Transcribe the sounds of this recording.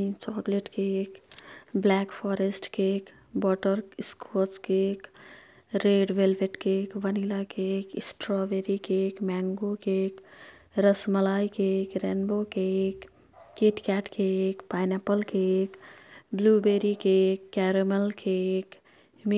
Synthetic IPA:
t͡ʃɔːkleʈkekblɛkpʰɔːɾesʈkek | bɔːʈəɾskʰoskek | ɾeːɖʋelʋeʈkekʋənilakekisʈɾɔːʋeɾikeːkmɛːŋɡokek | ɾəsməlaːikekɾenbokekː | eʈkɛːʈkekpajnɛpəlkekbluːbeɾikekːɛɾeməlkʰek | m

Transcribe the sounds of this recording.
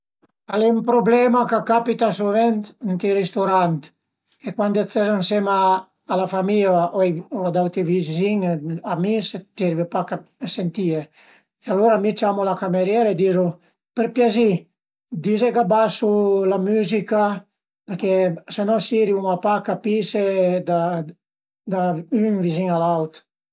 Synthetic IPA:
alɛumpɾoblɛmakakapit̪asuvɛnt̪nt̪iɾest̪oɾant̪ | kekwand̪et͡sɛzansemaː | lafamiaʔɔjɔd̪awt̪evizziŋamiset̪iɾvepakasent̪ie | ealoɾamit͡ʃamulakameɾjɛɾaed̪iːzu | peɾpjazi | d̪izekabasulamyːzika | peɾkesanɔsiɾiumapakapised̪a | d̪aynviziŋalawt̪

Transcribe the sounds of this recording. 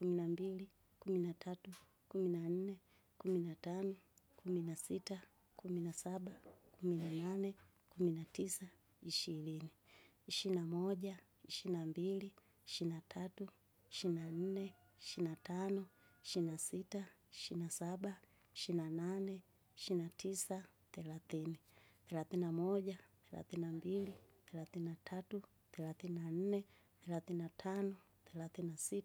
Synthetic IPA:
kuminambili | kuminatʰatu | kuminan̩nɛ | kuminatanɔkʰuminasita | kuminasaɓakuminananɛ | kuminatisa | iʃiɾini | iʃinamɔʄa | iʃinambili | iʃinatʰatu | iʃinan̩nɛ | iʃinatanɔiʃinasitaiʃinasaɓa | iʃinananɛ | iʃinatʰisa | θɛlaθiniθɛlaθinamɔʄaθɛla̰θinambiliθɛlaθininatʰatu | θɛlaθininan̩nɛ | θɛlaθininatʰanɔ | θɛlaθinasit

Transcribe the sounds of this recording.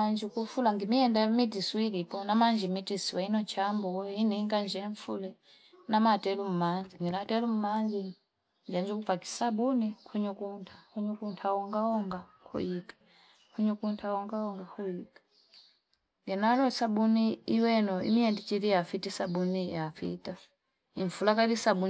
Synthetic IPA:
aɲd͡ʒikufulaŋɡimiɛndamitisuilipɔnamaɲd͡ʒimitisiwainɔt͡ʃambɔiniŋɡaɲd͡ʒɛɱfulɛ | namatɛlum̩mand͡ʒiŋɡilatɛlum̩mand͡ʒi | ɲd͡ʒaɲd͡ʒukupaki̥sabunikʰuɲukuntʰakuɲukuntʰawɔŋɡaɔŋɡakʰṵikḁ | kʰuɲukuntʰawɔŋɡaɔŋɡakuikḁ | ŋɡɛnalɔsabuniiwɛnɔḭmiɛndit͡ʃiɾijafitisabunijafḭta | iɱfulakailisabu

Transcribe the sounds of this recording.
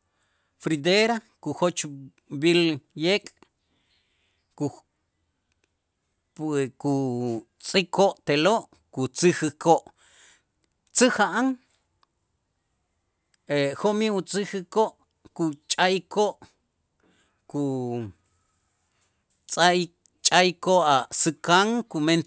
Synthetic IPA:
fɾid̪eɾa | kuxot͡ʃ | biljekʼ | ku | ku | t͡sʼikʰoʔt̪eloʔ | kut͡sixɨkoʔ | t͡sɨxaʔaŋ | exomiut͡sʼixɨkoʔ | kut͡ʃʼajkoʔ | ku | t͡sʼa | t͡ʃʼajkoʔasɨkaŋkumen

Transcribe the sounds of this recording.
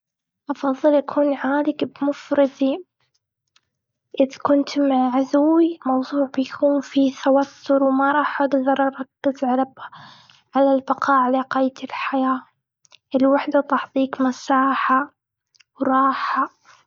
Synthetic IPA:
ʔɑfɑðˤːɨlʔakʰuːnʕaːlɪkbmʊfɾɨd̪i | ʔɪðkʊnt̪maʕʕazʊwːimɑwðˤuːʕbɪjkʰuːnfit̪awat̪ʰːʊɾwmɑɾˤɑːħʔaɡd̪ɑɾˤʔɑɾˤɑkːɪzʕɑɾˤɑba | ʕalalbɪqɑːʕalaqɑːjt̪ɪlħajaː | ʔɪlwaħd̪at̪ɑħt̪ˤiːkmasaːħa | wɾˤɑːħa

